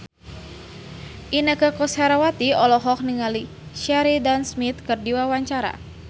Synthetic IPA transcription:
ʔinəkəkɔshaɾawat̪iɔlɔɦɔk̚niŋali | ʃaɾidansmit̪̚kɨrdiwawaɲt͡ʃaɾa̰

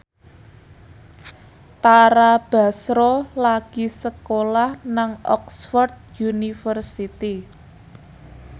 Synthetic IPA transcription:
t̪aɾab̥a̤sɾolaɡ̥i̤səkolahnaŋʔɔ̰ksfɔrd̪̚junifərsit̪i

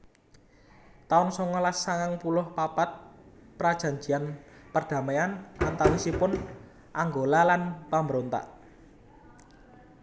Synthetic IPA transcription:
t̪aʊnsɔŋɔlasaŋaŋpulʊhpapat̪̚pɾad̥ʒ̥ä̤ɲd͡ʒi̤anpərd̪̥ä̤meanʔa̰nt̪awisipʊn | ʔaŋɡolalanpambəɾont̪a̰ʔ

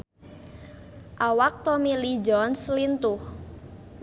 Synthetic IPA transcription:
ʔawak̚t̪ɔmilid͡ʒɔnslint̪ʊh

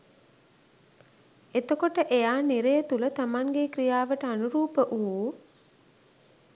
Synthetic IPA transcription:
et̪okoʈəʔejaːniɾejət̪ulət̪amaŋɡekɾijaːʋəʈəanuɾuːpəʔuuː

